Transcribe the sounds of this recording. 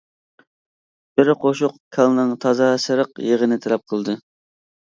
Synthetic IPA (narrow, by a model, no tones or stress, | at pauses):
b̥ɪɾqʰoʃʊqkʲʰɑlˠnɨŋt̪ʰɑzɑsɨɾəqjeʁənɪt̪ʰɛlɛp̚qʰəlˠd̪ɨ